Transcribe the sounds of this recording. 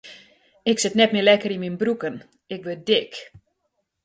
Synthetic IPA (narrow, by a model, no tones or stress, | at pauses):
ɪksɪtnɛtmɪlɛkəɾinminbrukən | ɪk̚ʋødɪk